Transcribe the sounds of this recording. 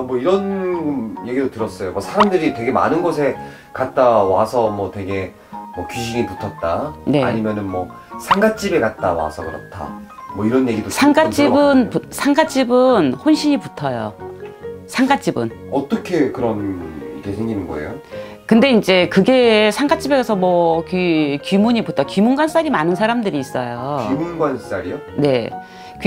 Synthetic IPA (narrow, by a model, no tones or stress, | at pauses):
mwʌiɾʌn | je̞ɡidotɯɾʌs͈ʌjomʌsʰaɾamdɯɾitwe̞ɡe̞ma̰nɯnɡʌs̬ʰe̞ | kat̚t͈awasʰʌmwʌtwe̞ɡe̞ | mʌkiɕ̬ʰiŋiputʰʌt̚t͈ane̞a̰ɲimjʌnɯnmwʌ | sʰaŋɡat͡ɕ͈ibe̞kat̚t͈awa̰sʰʌkɯɾʌ̰tʰa̰ | mwʌiɾʌnje̞ɡidosʰaŋɡat͡ɕ͈ibɯnpusʰaŋɡat͡ɕ͈ibɯnhonɕʰiɲiputʰʌjo̰ | sʰaŋɡat͡ɕ͈ibɯnʌt͈ʌkʰe̞kɯɾʌnikʰesʰeŋɡinɯnɡʌḛjo | kɯnde̞ind͡ʑe̞kɯɡe̞sʰaŋɡat͡ɕ͈ibe̞ɡasʰʌmwʌkikimuɲiputʰakimuŋɡwans͈aɾimanɯnsʰaɾamdɯɾiːs͈ʌjoimuŋɡwans͈aɾio | ne̞ | k